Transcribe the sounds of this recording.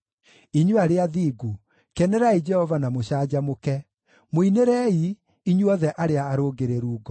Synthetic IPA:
iɲuaɾeaðiːɡu | kɛnɛɾaid͡ʒɛhɔvanamoɕaːd͡ʑamokɛ | moineɾɛi | iɲuɔðɛʔaɾeaːɾoːɡeɾeɾuːɡɔ

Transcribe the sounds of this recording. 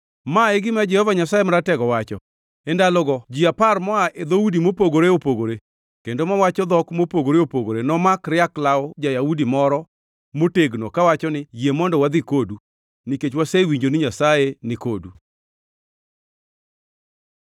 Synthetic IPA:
maeɡɪmad͡ʒɛhɔvaɲasajemaɾatɛɡɔwat͡ʃɔ | endalɔɡɔd͡ʒiaparmɔaʔed̪oudimopoɡoɾeopoɡoɾe | kendomawat͡ʃɔd̪ɔkmopoɡoɾeopoɡoɾenɔmakɾɪaklaɔd͡ʒajaudimɔɾɔ | moteɡno̰kawat͡ʃɔnɪjjemɔndɔwad̪ɪkodu | niket͡ʃwasawiɲd͡ʒonɪɲasajenɪkodu

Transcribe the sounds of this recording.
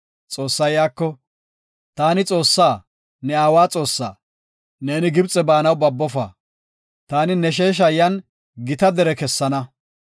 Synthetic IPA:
t͡sʼo̞ːsːɐjaːkːɔ | t̪aːnɪt͡sʼo̞ːsːaː | nɛaːwaːt͡sʼo̞ːsːa̰ː | ne̞ːnɪɡɪbt͡sʼɛbaːnɐwbɐbːɔfa̰ː | t̪aːnɪnɛʃ̬e̞ːʃ̬ɐjːɐn | ɡɪt̪ɐd̪ɛɾɛkɛsːɐnɐ

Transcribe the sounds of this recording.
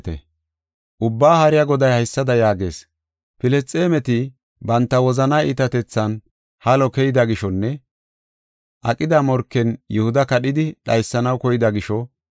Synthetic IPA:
t̪ɛ̰ | ʔʊbːaːhɐɾɪjɐɡɔd̪ɐjhɐjsːɐd̪ɐjaːɡe̞̰ːs | pɪlɛst͡sʼːeːmɛt̪ɪ | bɐnt̪ːɐwɔzɐnaːḭt̪ɐt̪ɛt͡sːɐn | hɐlɔkɛjɪd̪ɐɡɪʃɔnːɛ | ʔɐkʼɪd̪amɔɾkːɛnjʊhʊd̪ɐkɐɗɪd̪ɪɗɐjsːɐnɐwkɔjɪd̪ɐɡɪʃɔ

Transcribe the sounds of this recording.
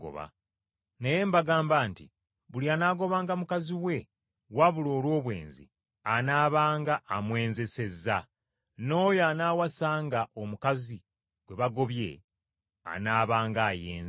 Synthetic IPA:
ɡo̰βa̰ | neje̞mbaɡaːmbaːntḭ | βulianaːɡo̞βaːŋɡamukaziwe̞ | waβulo̞ːlo̞ːβwe̞̰ːnzḭ | anaːβaːŋɡaʔːmwe̞ːnze̞se̞zːa | no̞ːjanaːwasaːŋɡaʔo̞mukazi | ɡwe̞βaɡo̞βje̞̰ | a̰naːβaːŋɡaːjḛːnz

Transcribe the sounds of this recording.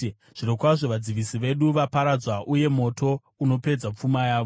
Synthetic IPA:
ʐ̥iɾokwaʐo̞ʋad͡ziʋisiʋe̞ɗuʋapaɾad͡zwaʔuje̞mo̞tʰo̞ | uno̞pe̞d͡zap͡fumajaːʋo

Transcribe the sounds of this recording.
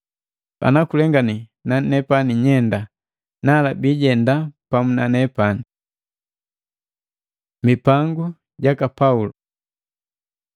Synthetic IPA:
a̰nakulɛŋɡaninanɛpaniɲɛnda | nalabiɟɛndapamunanɛpani | mipaŋɡu | ɟakapaulu

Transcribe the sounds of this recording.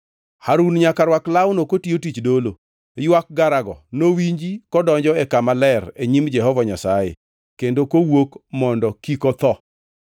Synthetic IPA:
haɾunɲakaɾwaklawʊnokotiotit͡ʃdolo | jwak̚ɡaɾaɡɔnowiɲd͡ʒikɔdɔɲd͡ʒɔɛkamalɛreɲimd͡ʒɛhɔvɔɲasajḛ | kendokowokmɔndɔkikɔt̪ɔ

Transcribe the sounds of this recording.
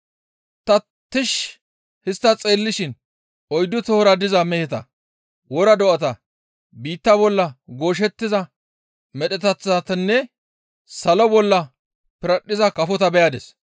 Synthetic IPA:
t̪ɐ | t̪ːɪʃ | hɪst̪ːɐt͡sʼeːlːɪʃɪn | ɔjd̪ːʊt̪ɔhɔɾɐd̪ɪzɐmɛhɛt̪ɐ̰ | wɔɾɐd̪ɔʔɐt̪ɐ | biːt̪ːɐbɔlːɐɡo̞ːʃ̬ɛt̪ːɪzɐ | mɛɗɛt̪ɐt͡sːɐt̪ɐnːɛ | sɐlɔbɔlːɐ | pɪɾɐɗːɪzɐkɐfɔt̪ɐbɛjad̪ɛ̰s

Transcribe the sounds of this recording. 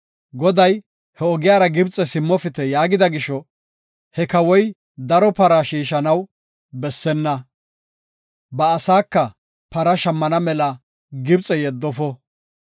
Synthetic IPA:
ɡɔd̪ɐj | hɛɔɡɪjaːɾɐɡɪbt͡sʼɛsɪmːɔfɪt̪ɛjaːɡɪd̪ɐɡɪʃɔ | hɛkɐwɔj | d̪ɐɾɔpɐɾɐʃiːʃɐnɐw | bɛsːɛnːɐ | bɐːsaːkːɐ | pɐɾɐʃɐmːɐnɐmɛlɐ | ɡɪbt͡sʼɛjɛd̪ːɔfɔ

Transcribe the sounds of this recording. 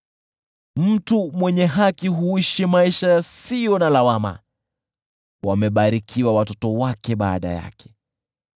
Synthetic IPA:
m̩tumwɛɲɛɦakiɦuiʃimaiʃasijɔnalawama̰ | wamɛɓaɾikʰiwawatɔtɔwakɛɓaːɗa̰ja̰kʰɛ̥

